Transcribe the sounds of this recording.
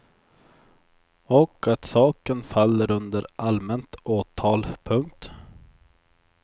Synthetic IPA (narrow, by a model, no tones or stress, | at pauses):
ɔkʰat̪sɑːkənfalːəɾɵnd̪əɾʔalmɛnt̪oːt̪ʰɑːlpʰɵŋk̚t̪